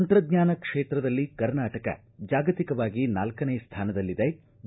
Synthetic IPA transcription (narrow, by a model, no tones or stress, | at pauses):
ɐnt̪ɾɐd̪ɲaːnɐkʂeːt̪ɾɐd̪ɐlːikɐɾnaːʈɐkɐ̰ | d͡ʒaːɡɐt̪ikɐʋaːɡinaːlkɐneːst̪ʰaːnɐd̪ɐlːid̪e